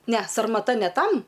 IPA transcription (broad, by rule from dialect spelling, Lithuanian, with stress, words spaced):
nʲɛ sɐrmɐˈtɐ nʲɛ ˈtɐm